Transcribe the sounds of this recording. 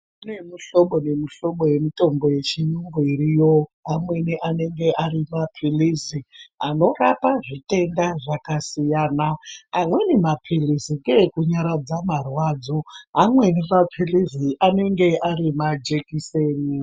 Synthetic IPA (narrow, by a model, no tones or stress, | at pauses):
kune̞miɬo̞ɓonemiɬo̞ɓo̞je̞mito̞mbo̞je̞t͡ʃijuŋɡoiɾijo̞amwe̞niʔane̞ŋɡe̞ʔaɾimapʰiliziano̞rapaʐite̞ndaʐakasijaːnaːmwe̞nimapʰilisiŋɡekuɲaɾad͡zamarwaːd͡zo̞amwe̞niʋapʰiliziʔane̞ŋɡe̞ʔaɾimad͡ʒekiseːni